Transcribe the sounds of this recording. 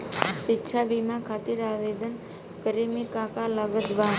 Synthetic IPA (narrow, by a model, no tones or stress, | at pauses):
ʃitːʃʰabimãkʰat̪iɾaʋed̪ən | kəɾimekakaləɡəd̪ʋa